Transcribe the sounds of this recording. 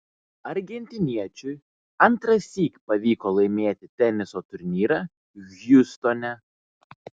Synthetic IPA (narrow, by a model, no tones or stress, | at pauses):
ɐɾʲɡʲɛnʲt̪ʲɪnʲiɛt͡ʃʲʊɪ | ɐnt̪ɾɐsʲiːkpɐʋʲiːkoːlˠɐɪmʲeːt̪ʲɪt̪ʲɛnʲɪsot̪ʊɾʲnʲiːɾɑ | jʊst̪ɔnʲɛ